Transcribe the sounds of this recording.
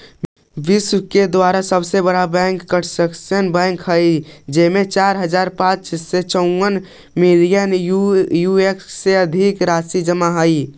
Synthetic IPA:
biswked̪waɾasəbsebəɽabɛ̃ŋkːəʈʰsəksənbɛ̃ŋkɦəjd͡ʒemet͡ʃaɾɦəd͡ʒaɾpãt͡ʃset͡ʃəʊ̃ən | milijənjuekseəd̪ʱikɾasid͡ʒəmaɦəj

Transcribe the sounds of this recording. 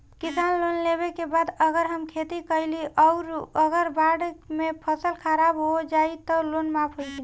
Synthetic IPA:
kisanlonlebekebad̪əɡəɾɦəmkʰet̪ikəliʔɔʊɾəɡəɾbaɽmepʰəsəlkʰəɾabɦod͡ʒait̪əlonmapʰɦojt͡ʃʰi

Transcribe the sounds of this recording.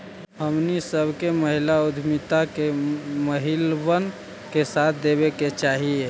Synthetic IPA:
ɦəmnisəbʱkeməɦilaud̪ʱmit̪akeməɦilbən | kesat̪̚ʰd̪ebeket͡ʃaɦie

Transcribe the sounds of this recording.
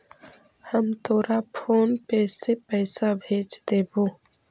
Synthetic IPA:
həmt̪ʰoːɾapʰoːnpeːsepɛːsabʱeːd͡ʒd̪eːboː

